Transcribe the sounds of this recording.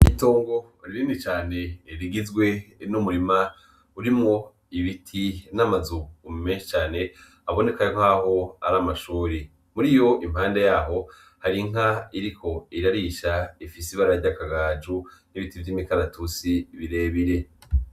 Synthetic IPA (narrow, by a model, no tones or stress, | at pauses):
ito̞ːŋɡo̞ | ɾiɾinit͡ʃaːne̞ɾiɡizɡwe̞numuɾima | uɾimŋo̞ | iβitʰinamazuummẽːʃit͡ʃaːne̞ | aβo̞ne̞kajŋhaho̞aɾamaʃuːɾi | muɾijo̞ʔim̥haːnde̞jaːɦo̞ | haɾiŋ̥aiɾikʰo̞iɾaɾiʃaifisiβaɾaɾɟakaɡaːd͡ʒuniβitivjiːmikaɾatʰusiβiɾe̞ːβiɾe̞